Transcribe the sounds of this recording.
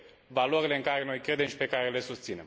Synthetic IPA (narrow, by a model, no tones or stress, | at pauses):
valoɾile̞ɨŋkaɾe̞no̞jkɾe̞d̪e̞mʃi̥pe̞kaɾe̞le̞sust̪sine̞m